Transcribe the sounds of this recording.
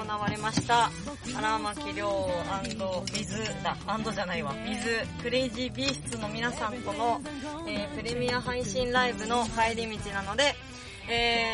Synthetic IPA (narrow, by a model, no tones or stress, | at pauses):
onaβ̞aɾe̞maɕi̥t̪a | aɾamakʲiɾʲo̞ːãnd̪o̞bʲizɨd̪aãnd̪o̞ʑanaiβabʲizɨkɯ̟ɾe̞iʑibʲiːɕɨ̥t͡sɨno̞mʲinasãnt̪o̞no̞eːpɯ̟ɾe̞mʲiaɦãɰ̃ɕĩnɾaibɯ̟no̞kaiɾʲimʲit͡ɕinano̞d̪e̞ | eː